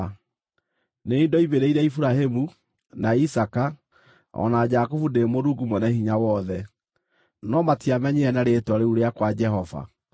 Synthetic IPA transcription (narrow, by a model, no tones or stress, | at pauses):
neindɔiβeɾeiɾɛifuɾahemu | naisaka | ɔ̰nad͡ʒakofundemoɾuɡumɔnɛhiɲawɔðɛ | nɔmatiamɛɲeɛnaɾetwaɾeuɾeakwad͡ʒɛɦɔva̰